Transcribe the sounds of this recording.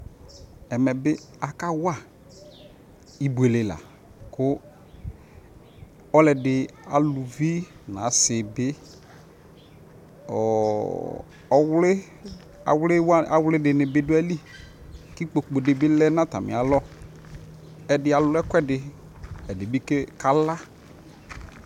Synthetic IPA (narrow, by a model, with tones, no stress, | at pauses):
ɛ˨mɛ˨bɪ˦ | a˨ka˦wa˦˨ | i˨bu˨e˨le˨la̰˨ | kʊ˦ | ɔ˦lɛ˨dɪ˨a˨lʊ˨vi˦nã˨˦sɪ˨bɪ˦ | ɔ˨ | ɔ˨wlɪ˦ | a̰˨wlɪ˦wa˦a˨wlɪ˦dɪ˨nɪ˨bɪ˦dʊ˦a˦li˦ | kɪ˦k͡po˨k͡po˨dɪ˨bɪ˦lɛ˦nã˦ta̰˨mɪ̰˨a˨lɔ˦ | ɛ˨dɪ˦a˨lʊ˦ɛ˦kʷɛ˦dɪ˨ | ɛ˨dɪ˨bɪ˦ke˦ka˨la˦